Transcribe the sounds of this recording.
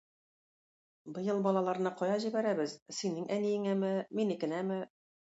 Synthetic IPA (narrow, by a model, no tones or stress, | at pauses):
bɤ̆jɤlˠbɒlˠɑlˠɑɾnɤqɒjɑʑibæɾæbɘzsinɘŋʔænijɘŋæmɘminikɘ̆næmɘ